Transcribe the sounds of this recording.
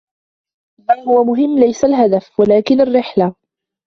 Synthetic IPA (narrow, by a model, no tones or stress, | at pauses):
malhʊwamʊɦɪmːlajsalɦad̪afwalaːkɪnarːɪħla